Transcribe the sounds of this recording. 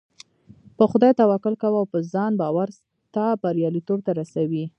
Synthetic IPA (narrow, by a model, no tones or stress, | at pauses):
pəxʊd̪ɑjt̪awɑkʊlkawawpəzɑnbɑwaɾ | t̪ɑbaɾjɑlit̪ob̚t̪aɾasawi